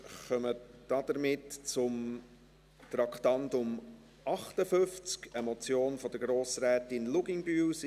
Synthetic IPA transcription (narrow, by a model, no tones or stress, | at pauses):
χœməd̥ɑd̥̪əɾmɪtt͡sʊm | t̪ɾɑkχtɑntʊm | ʔɑχtəfʏft͡skəmɔt͡sjoːnfɔd̥̪əɾɡɾoːsɾɛːtɪnluɡɪŋbys